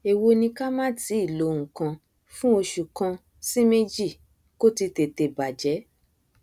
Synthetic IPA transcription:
e˨wo˧nĩ˧ka˦mãː˦ti˨˦i˦˨lo˨˦˨ŋũ˨kã˧ | fũ˦o˧ʃu˨kã˧ | si˦me˦d͡ʒi˦˨ | ko˦ti˧te˧te˨ba˨d͡ʒɛ˨˦

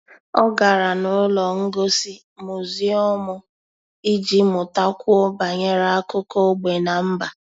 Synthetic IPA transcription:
ɔ˦ɡa˨ɾa˨nʊ˨˦lɔ˨ŋ̩˦ɡo˦si˦ | mʊ˨zi˦ɔ˦mʊ˦ | i˦d͡ʒi˦mʊ˨ta˦kʷɔ˦ba˨ɲe˦ɾa˦a˦kʊ˦ko˦ɡ͡be˨na˨m̩˦ba˨

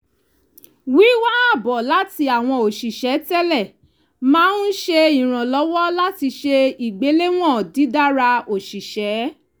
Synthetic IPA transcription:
wi˨˦wa˦a˦˨bɔ˨la˨˦ti˧a˨w̃ɔ̃˧o˨ʃi˨ʃɛ˨˦tɛ˦lɛ˦˨ | mãː˦n̩˦ʃe˧i˨ɾ̃ã˨lɔ˨˦wɔ˦la˦ti˧ʃe˧i˨ɡ͡be˨˦le˦w̃ɔ̃˦˨di˨˦da˦ɾa˧o˨ʃi˨ʃɛ˨˦

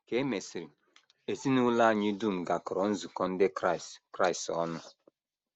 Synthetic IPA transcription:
ke˦me˨si˨ɾi˨ | e˨si˦ni˦wu˦la˦˨ɲi˦du˦˨m˨ɡa˨kɾɔ˨˦n̩˦zu˨kɔ̃˦n˦de˦kɾa˨skɾa˦jsɔ˦nu˦

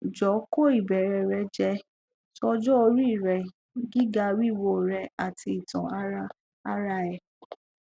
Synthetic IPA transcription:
d͡ʒɔ˨˦ko˦˨i˨bɛ˨ɾɛ˧ɾɛ˧d͡ʒɛ˧˦ | sɔ˧d͡ʒɔ˦o˧ɾu˦i˦˨ɾɛ˨ | ɡi˦ɡa˧wi˦˨wo˧˨ɾɛ˧a˨tʰi˧i˨tɔ̃˨a˦ | a˦ɾa˧ɛ˨

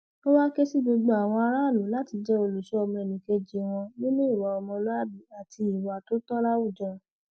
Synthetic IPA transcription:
to˦wa˦ke˦si˦ɡ͡bo˧ɡ͡bo˧a˨w̃ɔ̃˧a˧ɾa˦˨lo˨˦la˦ti˧d͡ʒɛ˦o˧lo˨ʃe˨˦ɔ˧mɔ̃˧ɛ˨nĩ˨ke˧d͡ʒe˨˦w̃ɔ̃˧nĩ˦nũ˦i˦˨wa˨˦ɔ˧mɔ̃˧lo˦a˦˨bi˨˦a˨ti˧i˨wa˨to˦tɔ˦la˦wu˦˨d͡ʒã˧

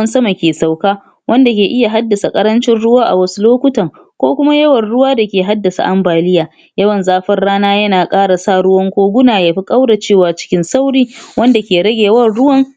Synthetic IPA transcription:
nsɐ˦ma˨kʲeː˨sa˨wkaː˦ | wʔɐ˦nda˨kʲeː˨ʔɪ˦ja˨ɦa˦dːɐ˨sa˨kʼɐ˦ɾɐ˦nt͡ʃɪ˦nɽʊ˦waː˦ʔa̰˨wɐ˦su˦loː˦kʷʊ˦tɐ˨ŋ | kʷoː˦kʷʊ˦ma˦jɐ˦wɐ˨nɽʊ˦waː˦da˨kʲeː˨ɦa˦dːɐ˨sa̰˨ʔa˦mbaː˨lɪ˦jaː˨ | jɐ˦wɐ˨nzaː˦ɸɐ˦rɽaː˦naː˦jɐ˦naː˨kʼaː˦ɽa˨saː˦˨ɽʊ˦wɐ˦ŋkʷoː˦ɡʷʊ˦naː˨jaː˨ɸi˦kʼa˦wɽa˨t͡ʃeː˦˨waː˨t͡ʃɪ̥˦kʲɪ˦nsa˦wɽiː˦wɐ˦nda˨kʲeː˨ɽɐ˦ɡʲeː˨wɐ˦˨ɽʊ˦wɐ˦ŋ

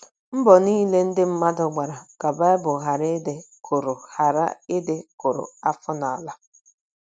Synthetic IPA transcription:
m̩˦bɔ˨niː˦le˦n̩˦dɪ˦m̩˦ma˦dʊ˨ɡ͡ba˨ɾa˨ka˨ba˦e˦bʊ˨ɦa˨ɾɪ˦dɪ˦kʰʊ˨ɾʊ˨ha˨ɾa̰˦ɪ˦dɪ˦kʊ˨ɾʊ̰˨a˦fʊ˦na˨a˨la˦

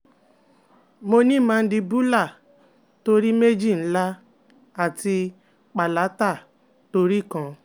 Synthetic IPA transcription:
mo˧nĩ˦˨mã˧˦di˧bu˦la˦˨ | to˧ɾi˦me˦d͡ʒi˦˨n̩˦la˦ | a˦˨ti˧ | k͡pa˨la˨˦ta˦˨ | to˧ɾi˦˨kã˧

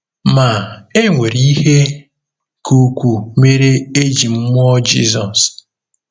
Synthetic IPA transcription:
ma˨e˦ŋʷe˨ɾi˦i˦he˦ | kʰu˦kʷu˨me˦ɾe˦e˦d͡ʒi˨m̩˦m˦ɔ˦d͡ʒḭ˦zɔ˨s

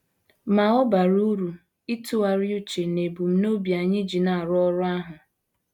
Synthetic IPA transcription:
ma˨ɔ˦ba˨ɾu˦ɾu˨ | i˦tu˦a˨ɾju˦t͡ʃe˨ne˨bu˨m̩˦no˦bja˨ɲɪ˦d͡ʒi˨na˨ɾʊ˦ɔ˦ɾʊ˦a˦ɦʊ˨

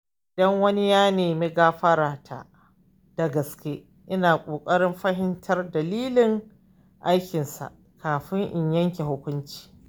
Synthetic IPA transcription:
ʔɪ˨dɐ˦ŋwɐ˦ni˦jaː˦neː˨meː˦ɡaː˦ɸɐ˦ɾaː˨tʰa̰˦˨ | d̥ɐ˨ɡɐ˨skʲe˦ | ʔɪ˦naː˨kʷʼoː˨kʼɐ˦ɽɪ˦mɸɐ˦ɦɪ˦ntʰɐ˦rdɐ˨liː˦lɪ˨ŋ | ʔa˦jkʲɪ˨nsa̰˨ʔ | kʰaː˨ɸɪ˦ŋʔɪ˨ɲjɐ˦ŋkʲe˨ɦʊ˦kʷʊ˦nt͡ʃi̥ː˨

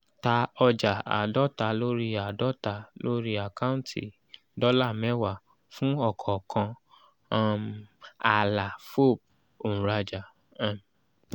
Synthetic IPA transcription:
ta˧ɔ˧d͡ʒa˨a̰˨dɔ˦ta˧˦lo˦ɾi˦a˨dɔ˦ta˧˦lo˦ɾi˦a˨ka˦ũ˦ntʰi˨ | dɔ˦la˦˨mɛ̃˨˦wa˦˨ | fũ˦ɔ˦˨kʰɔ˨kʰã˧˦ | ma˨la˨fo˦˨b̚ | o˨ũ˨ɾa˧d͡ʒa˨˦˨ | m˨

